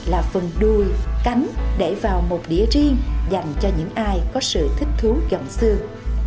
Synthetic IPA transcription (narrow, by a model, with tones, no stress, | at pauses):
laː˨˩fə˨˩nɗu˨˩jka˨˦jŋ̟ɗe˧˩vaː˨˩wmo˨˩t̚ɗḭ˧˩ət͡ɕi˧əŋza˨˩jŋ̟t͡ɕɔ˧ɲɨ̰˧˥ŋʔaː˧jkɔ˨˦sɨ̰˧˨t̪ʰï˦˥k̟̚t̪ʰu˨˦zə̰˧˨˩ŋ͡msɨ˧əŋ